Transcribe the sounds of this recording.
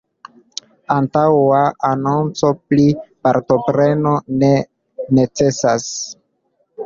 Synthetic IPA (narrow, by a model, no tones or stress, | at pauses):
antawaanont͡so̞plipaɾto̞pɾe̞no̞ne̞ | ne̞t͡se̞sas